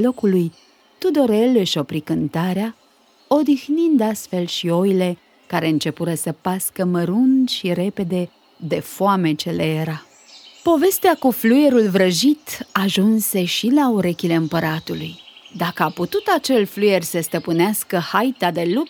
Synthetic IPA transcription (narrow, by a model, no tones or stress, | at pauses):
lo̞kuluj | t̪ud̪o̞ɾeleʃo̞pɾikɨnt̪aɾea | o̞d̪ixnind̪ast̪fe̞lʃio̞jle̞ | kaɾe̞ɨnt͡ʃe̞puɾəsəpaskəməɾunʃiɾe̞pe̞d̪e̞ | d̪e̞foame̞t͡ʃe̞lejeɾa | po̞ve̞st̪eakufluje̞ɾulvɾəʒit̪aʒunse̞ʃilauɾe̞kʲile̞ɨmpəɾat̪ulujd̪akəaput̪ut̪at͡ʃe̞lfluje̞rʲsəst̪əpɨneaskəhajt̪ad̪e̞lup̚